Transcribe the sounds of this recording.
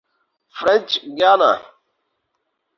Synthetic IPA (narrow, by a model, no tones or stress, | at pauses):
fɾɛ̃nt͡ʃɡana̰